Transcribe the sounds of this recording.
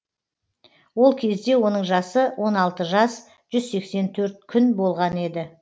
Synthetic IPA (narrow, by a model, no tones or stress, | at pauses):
wo̞lˠkʲʰe̞zd̪e̞wo̞nəɴʒɑsəwʔo̞nɑlˠt̪əʒɑs | ʒ̥ʏzse̞kse̞nt̪ʰɵɾt̪̚kʲʰʏnbo̞lˠʁɑne̞d̪ɪ